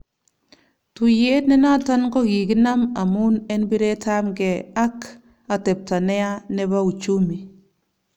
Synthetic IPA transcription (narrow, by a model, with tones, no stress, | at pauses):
tu˨je˦tnɛ˦na˦ta˦nkɔ˦ki˨ki˦na˦ma˨mu˦nɛ˦nbi˦ɾe˦ta˦mɡɛ˨a˦k | a˨tɛ˨p̚ta˨nɛ˦a˦nɛ˦ba˦u˨t͡ʃu˦mi˨